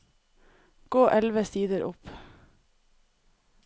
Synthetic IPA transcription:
ɡ̥oːʔɛlʋəsiːd̪əɾʔʊ̰p

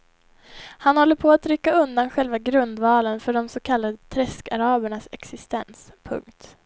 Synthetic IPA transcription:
hanhɔlːəɾpʰɔat̪ɾʏkːaɵnd̪anɧɛlvaɡɾɵnd̪vɑːlənfœɖɔmsɔkʰalːad̪ət̪ʰɾɛskaɾɑːbəɳasɛ̰ksɪst̪ɛ̰ns | pʰɵ̰ŋkt̪

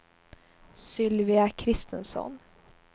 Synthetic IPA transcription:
sʏlʋɪɑkʰɾɪst̪ʰənsɔ̰n

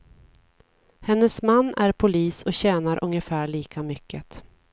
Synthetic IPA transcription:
hɛnːəsmanːæɾpʰʊliːsɔɕɛːnaɾʔɵ̰ŋjəfæːɭiːkʰamʏkʰːət̪

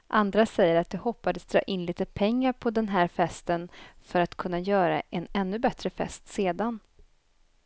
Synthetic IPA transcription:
ʔand̪ɾasɛjːəɾat̪̚d̪ɛhɔpːad̪əsd̪ɾɑ̰ːʔɪnliːt̪əpʰɛŋːaɾpʰɔd̪ɛnɦæːɾfɛst̪ənfœɾat̪kʰɵnːajœːɾa̰ʔɛnɛnːɵbɛt̪ɾəfɛ̰st̪seːd̪an

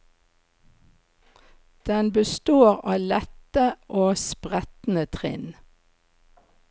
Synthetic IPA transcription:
d̪̥ɛnbəst̪oːʁɑːlɛt̪əʔoːspʁɛt̪n̩ət̪ʰʁɪ̰n

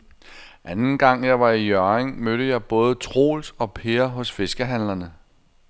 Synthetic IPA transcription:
ʔænn̩ɡ̥ɑ̈ŋ̰jɑ̈ɪʋɑ̈ijœɐeŋmøɾ̥əjɑ̈ɪb̥ɔ̽ːð̞̩ˠət͡sʰʁo̝̰ːlsɒ̽pʰe̝ːɐɦɔ̽sfe̝sɡ̥əɦæn̰lɐnə

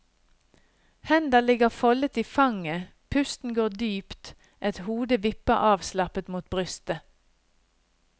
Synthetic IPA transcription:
hɛnd̪əlɪɡəʁfɔlət̪iːfɑŋə | pʰʉst̪n̩ɡoːd̪yːpt̪ | ʔɛt̪huːd̪əʋɪpəʁʔɑːʋslɑpət̪muːt̪̚bʁʏst̪ə

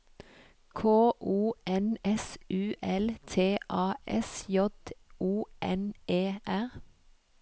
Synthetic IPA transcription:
kʰoːʔuːɛnɛsʔʉːʔɛlt̪ʰeːʔɑːɛsjɔd̪uːʔɛneːʔæʁ

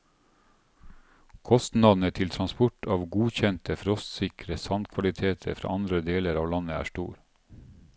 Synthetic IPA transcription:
kʰɔst̪nɑd̪n̩ət̪ʰɪlt̪ʰɾɑnspʊʈɑːʋɡuːçɛnt̪ʰəfɾɔst̪sɪkɾəsɑnd̪kʰʋɑlɪt̪ʰeːt̪ʰə̰ɾfɾɑ̰ːʔɑnd̪ɾəd̪eːləɾɑːʋlɑnəæ̰ːʃʈṵːɾ

